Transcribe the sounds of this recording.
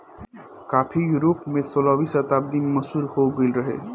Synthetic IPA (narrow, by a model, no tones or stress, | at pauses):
kaːpʰijuːɾoːpmẽsoːlabiːsət̪aːb̚d̪ɪnmɐsuːɾhoɡɪlɾɐɦḛ